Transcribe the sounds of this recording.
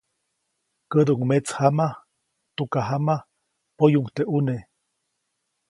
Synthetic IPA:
kəd̪uʔŋmet͡shama | t̪ukaɦama | pojuŋt̪eʔune

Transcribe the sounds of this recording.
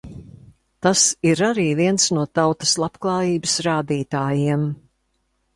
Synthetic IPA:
t̪asiɾaɾiːviɛnsnuɔt̪awt̪ɐ̥slˠapklˠɑːjiːbsɾaːd̪iːt̪aːjiɛm

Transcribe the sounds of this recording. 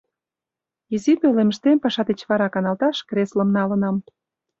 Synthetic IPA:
izipeleməʃt̪empɑʃɑd̪et͡ɕβɑɾɑkɑnɑlt̪ɑʃkrʲɾesləmnɑlənɑm

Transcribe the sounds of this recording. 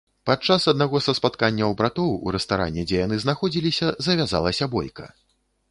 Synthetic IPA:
patt͡ʂasɐd̪̚naɣɔsɐspat̪kanʲːɐwbɾat̪ɔwṵɾɛst̪aɾa̰nʲːɛd͡zʲɛjanɨznaxɔd͡zʲilʲisʲɐzɐvʲaza̰lˠɐsʲɐbɔjkɐ̰

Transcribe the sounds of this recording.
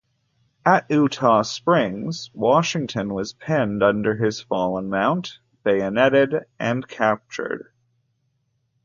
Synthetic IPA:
əɾʉtʰɑspɹɪ̃ŋz̥wɑʃɪ̃ŋtʰɨ̃nwʌz̥pʰɛ̃ndʌ̃ndə˞ɪz̥fɑlˠə̃nmãʊ̃nt | b̥eɪɨnɛɾɪdʔɨ̃nkʰæp̚t͡ʃə̰˞d̥

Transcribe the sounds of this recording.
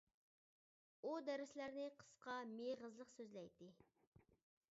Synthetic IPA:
ud̪æɾɪslæɾnɪqʰə̥sqɑmeʁəzlˠəqsøzlɛjt̪ɪ

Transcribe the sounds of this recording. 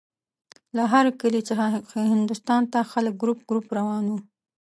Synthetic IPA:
laɦaɾkəlit͡səxahɪnd̪ʊst̪ɑnt̪axalək̚ɡɾup̚ɡɾupɾawɑnwu

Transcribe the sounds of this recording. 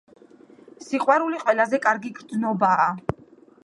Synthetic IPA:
siqʼwaɾuliqʼwɛlazɛkʼaɾɡiɡɾd̪znɔbaː

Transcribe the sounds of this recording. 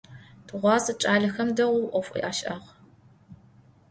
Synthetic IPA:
tʰɨʁʷɑːzɐʈ͡ʂʼaːɮɐxɐmdɐwʷʊwʔʷɔfʷʼḭʔaːʃʔɐʁ

